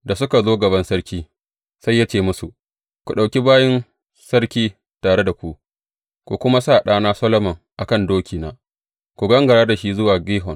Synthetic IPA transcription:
da˨sʊ˦ka˨zoː˦ɡɐ˨βɐ˦nsɐ˦ɽkʲiː˦ | sa˦jːa˦t͡ʃeː˦˨mʊ˦su˨ʔ | kʷu˨ɗa˨wkʲi˦baː˦jɪ˦n | sɐ˦ɽkʲiː˦ | taː˨ɽe˦da˨kʷu˦˨ʔ | kʷu˨kʷʊ˦ma˦saː˦˨ɗaː˦naː˦sɐ˦lɔ˦mɔ˨ŋʔa˨kɐ˦˨ndoː˦kʲʰiː˨naː˨˦ | kʷu˨ɡɐ˦ŋɡɐ˨ɽaː˦da˨ʃi˦zʊ˦waː˨ɡiː˦ɦɔ˨ŋ

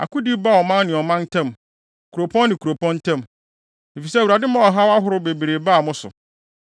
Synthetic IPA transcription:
a̰˨kʊ˦di˦ba˦˨ɔ˨mã˦nnɪ̃˨ɔ˨mã˦n˦tʰɛ̃˦m | kʰu˨ɾo˨pʰɔ̃˦nː˦ɪ̃˨kʰu˨ɾo˨pʰɔ̃˦n˦tʰɛ̃˦m | e˨fi˨sɛ˦˨wu˨ɾa˨dɪ˦mã˦ɔ˨ɦa˦wa˦ɦʊ˦ɾʊ˦be˨be˨ɾe˨ba˦a˨mʊ̃˦sʊ̰˨

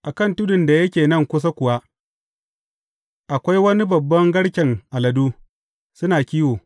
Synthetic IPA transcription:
ʔa˨kɐ˦˨ntʊ˦dʊ˨nda˨jɐ˦kʲeː˨nɐ˦ŋkʷʊ˦s̬a˦kʷʊ˨wa˦ | ʔa˨kʷa˦jwɐ˦ni˦bɐ˨bːɐ˦ŋɡɐ˦ɽkʲɛ˨ŋʔa˨lɐ˨duː˦ | sʊ˦naː˨kʲiː˦woː˨

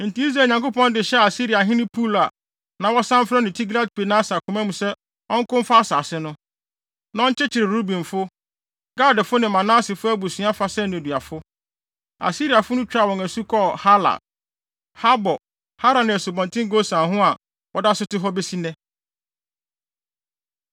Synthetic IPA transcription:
n̩˨tĩ˦i˦s̬ɾae˨ɲã˨ŋkʊ˦pɔ̃˦n˦dɪ˨ɕɛ˦˨a˨si˦ɾi˨a˨ɦɪ̃˦nɪ̃˦pʰu˦la˨ | nã˨wɔ˦sã˦m˦fɾɛ˦nɪ̃˨tʰi˦ɡla˦d̚pe˨nã˦sa˨kʰʊ˨mæ̃˦mũ˨sɛ˦ | ɔ̃˦ŋ˦kʊ̃˦m˦fa˦a˦saː˨sɪ˦nʊ̃˦ | nã˨ɔ̃˦t͡ɕʰɛ˦t͡ɕʰɪ˨ɾɪ˨ɾu˦bĩ˨nfʊ˦ | ɡa˦dɪ˨fʊ˦nɪ̃˨mã˨nã˦sɪ˨fʊ˦æ˦bu˨sĩ˨˦a˦fa˦sɛ˦nʊ̃˨dɥa˨fʊ˦ | a̰˨si˦ɾi˨a˨fʊ˦nʊ̃˦t͡ɕᶣɾa˨wɔ̃˨ŋæ˨su˦kʰɔ˦˨ha˦la̰˨ | ha˦bɔ˨ | ha˦ɾa˨nɪ̃˨æ˨su˨bɔ̃˨ntʰɪ̃˦ŋ˦ɡo˦sã˨ɦʊ̃˦a˨ | wɔ˨da˦sʊ˦tɪ˦ɦɔ˦be˦si˦nɛ̃˦

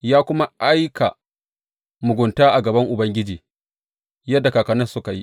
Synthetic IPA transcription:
jaː˦kʷʊ˦ma˦ʔa˦jkʰa̰˨ | mʊ˨ɡʷʊ˨ntaː˦ʔa˨ɡɐ˨bɐ˦ŋʔʊ˨bɐ˦ŋɡʲɪ˦d͡ʒiː˨ | jɐ˦dːa˨kaː˨kɐ˨nɐ˦sʊ˦ka˨ji˦

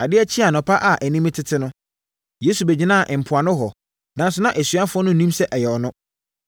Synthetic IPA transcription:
a˨dɪ˦æ˦t͡ɕʰi˦a˨nʊ̃˨pʰa˦ʔa˨ʔæ˨nĩ˦mɪ̃˦tʰɪ˦tʰɪ˦nʊ̃˦ | jeː˦su˨bɛ˨d͡ʑi˦nãː˦˨ʔɪ̃˨m̩˨pʰʊ˨a˨nʊ̃˦ɦɔ˨ | nã˨˦n˦sʊ˨˦nã˦ʔæ˨sɥa˦fʊ˦ɔ˦nʊ̃˦˨nĩ˦msɛ˦ʔɛ˨jɛ˨ɔ˨nʊ̃˦

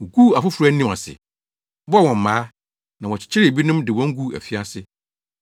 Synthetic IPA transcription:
ɡu˦˨a˨fʊ˦fʊ˨ɾa˦nĩ˦˨a̰˨sɪ̰˨ | bɔ˦˨wɔ̃˨m̩˨mãː˨˦ | nã˨wɔ̃˨t͡ɕʰɪ̥˦t͡ɕʰɪ˦ɾɪ˨e˨bi˦nʊ̃˦mdɪ˨wɔ̃˦ŋ̩˦ɡu˦˨æ̰˨fi˦a˦sɪ˦

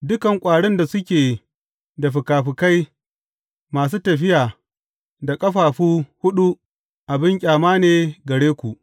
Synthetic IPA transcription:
dʊ˦kɐ˨ŋkʷʼaː˨ɽɪ˦nda˨sʊ˦kʲeː˨ | da˨ɸɪ˨kaː˨ɸɪ˨ka˦j | maː˨s̬uː˦tɐ˨ɸɪ˦jaː˨ | da˨kʼɐ˦ɸaː˨ɸuː˦hʊ˦ɗu˦ | ʔa˨bɪ˦ŋkʲʼaː˨maː˦neː˨ɡɐ˨ɽeː˦kʷu˨ʔ

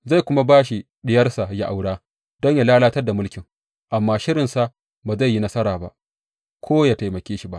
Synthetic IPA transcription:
za˦˨kʷʊ˦ma˦baː˦ʃi˦ | ɗɪ˦jɐ˦rsa˨ja˦ʔa˨wɽaː˦ | d̥ɔ˦ɲja˨laː˦laː˦tɐ˦rda˨mʊ˦lkʲɪ˨ŋ | ʔa˨mːaː˦ʃɪ˦ɾɪ˨nsa˦˨ | baː˨za˦˨jːi˦nɐ˦sɐ˦ɾaː˨ba̰˦ʔ | kʷʰoː˦jaː˨ta˨jmɐ˨kʲeː˦ʃi˨ba˦ʔ

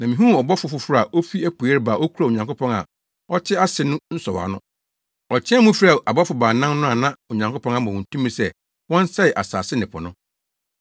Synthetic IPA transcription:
nã˨mĩ˨ɦũ˦˨ɔ˨bɔ˦fʊ˨˦fʊ˦fʊ˦ɾa˨ʔo˦fi˦æ˦pʰu˨ɛ˦ɾbaː˨ʔo˦kʰu˦ɾa˨o˨ɲã˨ŋko˦pʰɔ̃˦ŋa̰˨ | ɔ˦t͡ɕʰɪ˦a˦sɪ˨nʊ̃˦n̩˦sɔ˨wa̰˨nʊ̃˦ | ɔ˨t͡ɕʰɪ̃˦ɛ˦mũ˦fa˨ʔa˨bɔ˦fʊ˨baː˨nã˦mnʊ̃˦a˨nã˦o˨ɲã˨ŋko˦pʰɔ̃˦ŋ˦a˦m˨ɔ̃˨wɔ̃˨n̩˨tʰũ˦mːĩ˦sɛ˦ | wɔ̃˦n˦sɛ˦ɪ˨ʔa̰˨sa̰ː˨sɪ˦nɪ̃˨pʰɔ˨nʊ̃˦

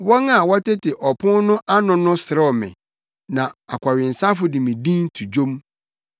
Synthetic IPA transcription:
wɔ̃˦ŋa˨wɔ˦tɪ˦tɪ˨ʔɔ˨pʰʊ̃˦nʊ̃˦ʔa˦nʊ̃˨nʊ̃˦sɪ˨ɾɛ˦ɔ˨mɛ̰̃˨ | nã˨a˨kʷʰa˨ɥɪ˨n̩˨sa˦fʊ˦dɪ̃˨mĩ˨dĩ˦n˦tʰu˨d͡ʑõ˦m

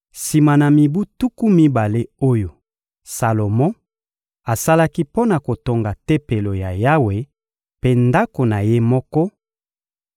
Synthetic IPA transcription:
si˨ma˨na˨mi˨bu˦tu˦ku˦mi˦ba˨le˦o˦jo˨ | sa˨lo˨mɔ̃˦ | a˨sa˦la˦ki˦po˦na˨ko˨to˨ŋɡa˨te˦pe˨lo˨ja˨ja˦we˨ | pe˦nda˦ko˨na˨je˦mɔ˦kɔ˦

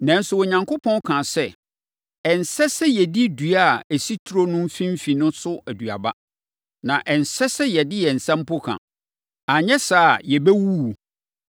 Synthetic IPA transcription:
nɛ̃˨n̩˦sʊ˦ɔ˨ɲã˨ŋkʰo˦pʰɔ̃˦n˦kʰã˨sɛ˦˨ | ɛ˨n̩˨sɛ˦sɛ˦jɛ˨di˦dɥa˦˨æ˨si˦tʰu˦ɾo˦nʊ̃˦m̩˦fĩ˦m̩˦fĩ˨nʊ̃˦sʊ˦æ˨dɥa̰˨ba˦ | nã˨ʔɛ˨n̩˨sɛ˦sɛ˦jɛ˨dɪ˦jɛ˨n̩˨sã˦m̩˦pʰʊ˦kʰã̰˨ | a˨ɲɛ̃˦saː˦˨jɛ˨bɛ˦wu˦˨

